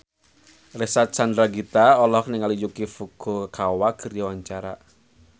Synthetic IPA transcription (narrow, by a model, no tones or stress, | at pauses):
resasand̪ɾaɡit̪aɔlɔkniŋalijukifuɡ̥okawaɡ̥ərjawaɲt͡ʃaɾa̰